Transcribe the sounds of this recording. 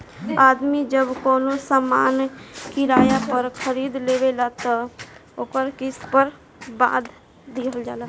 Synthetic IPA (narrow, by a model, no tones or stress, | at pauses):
ad̪mid͡ʒəbkɔːnosamankiɾajapəɾkʰəɾid̪lebelat̪ɔoːkəɾkispəɾ | ba̰d̪ʱ | d̪iɦəld͡ʒa̰ːla